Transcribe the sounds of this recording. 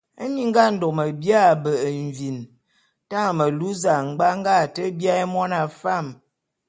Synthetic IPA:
ə˦ni˦ŋ˦ɡa˦n̩˦˨do˨kmə˨bja˦˨bə˨ʔɱ˨vi˨n | ta˦ŋ˨mə˨lu˦za˨ŋ̩˨ɡ͡ba˦ŋ˦ɡa˦˨tə˦bja˦e˦mɔ˦na˨fa˦˨m

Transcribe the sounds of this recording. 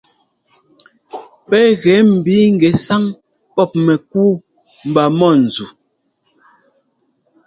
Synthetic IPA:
pɛ˦ɣɛ˨˦m̩˨bi˨˦ŋ̩˨ɡɛ˨sa˦ŋ | pɔ˦˨p̚mɛ˨k̚uː˦ | m̩˨ba˨mɔ˦˨n̩˨zu˨

